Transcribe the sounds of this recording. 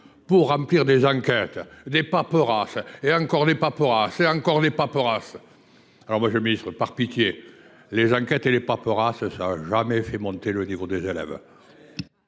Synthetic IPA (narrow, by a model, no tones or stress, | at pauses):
puʁːɑ̃pliʁd̪ezɑ̃kɛt̪d̪epapəʁaseɑ̃kɔʁd̪epapəʁaseɑ̃ŋkɔʁd̪epapəʁas | alɔʁmwaʒəminist̪χəpaʁpit̪je | lezɑ̃ŋkɛt̪elepapəʁasəsaaʒamɛfɛmɔ̃nt̪elənivod̪ezelɛ̰v